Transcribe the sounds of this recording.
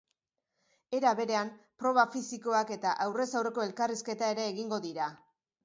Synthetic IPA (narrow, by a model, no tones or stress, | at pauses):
e̞ɾaβe̞ɾe̞ampɾo̞β̞afisiko̞ake̞t̪aʔawre̞sawre̞ko̞e̞lkariske̞t̪ae̞ɾe̞ːɣiŋɡo̞ðiɾa